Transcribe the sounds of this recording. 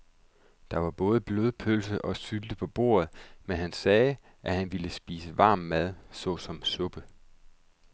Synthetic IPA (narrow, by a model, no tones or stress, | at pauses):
d̥ɑ̈ʋɑ̈b̥ɔ̽ːð̞ˠəb̥loðˠpʰølsəʔɒ̽syld̥əpʰɒ̽b̥o̝̰ːɐð̞̩ˠmenɦænsɛː | ʔæhænʋiləsb̥ḭːsəʋɑ̈ːmːæð̞ˠsɒ̽sɒ̽msɔ̽b̥ə